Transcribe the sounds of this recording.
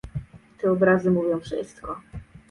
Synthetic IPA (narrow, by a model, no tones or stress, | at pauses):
t̪ɛɔbɾazɘmuvʲjɔ̃w̃fʂɘ̰st̪kɔ